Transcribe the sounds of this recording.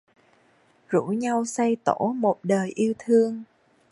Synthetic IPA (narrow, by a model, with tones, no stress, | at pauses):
zu˧˥ɲa˧wsa˧jt̪o̰˧˩mo˨˩t̚ɗəː˨˩jʔi˧əwt̪ʰɨ˧əŋ